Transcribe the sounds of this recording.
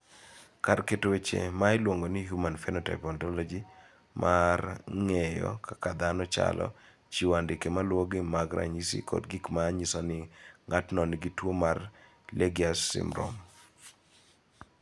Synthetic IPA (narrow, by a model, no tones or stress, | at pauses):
karketowet͡ʃḛmaɪlwoŋɡonɪɦjumanfɛnɔtaɪpɔntɔlɔd͡ʒi | mʔarŋejɔ̰kʰakad̪anɔt͡ʃa̰lʔɔ̰ | t͡ʃiwandɪkemalwoɡɪmaɡɾa̰ɲisḭkɔ̰dɡikmaːɲisɔnɪŋatnɔnɪɡitwomar | lʔeɡiasːḭmɾɔ̰m